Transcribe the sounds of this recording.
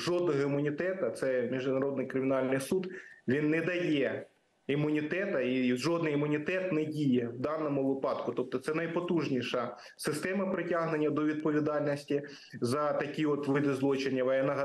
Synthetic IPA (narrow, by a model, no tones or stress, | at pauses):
ʒɔd̪̚nɔɦɔimʊnʲit̪ɛt̪ɐt̪sɛmʲiʒd̪ɪɐɾɔd̪nɪjkɾɪmʲɪnɑlʲnɪjsud̪ʋʲinːɛd̪ɐjɛ | imʊnʲit̪ɛt̪ɐiʒɔd̪nɪjimʊnʲit̪ɛt̪nɛdʲijɛwd̪ɑnɔmʊʋɪpɑd̪kʊt̪ɔp̚t̪ɔt̪sɛnɐjpɔt̪uʒnʲiʃɐ | sɪst̪ɛmɐpɾɪtʲɑɦne̞nʲːɐd̪ɔʋʲid̪̚pɔʋʲid̪ɑlʲnʲisʲtʲi | zɐt̪ɐkʲiɔt̪ʋɪd̪ɪzlˠɔt͡ʃenʲːɐʋɐjɛnɐɦɐ